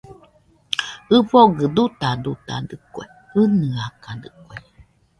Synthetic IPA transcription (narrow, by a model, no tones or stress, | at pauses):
ɨfoɡɨd̪ut̪ad̪ut̪a̰d̪ɨkʷḛ | ɨnɨakad̪ɯkwe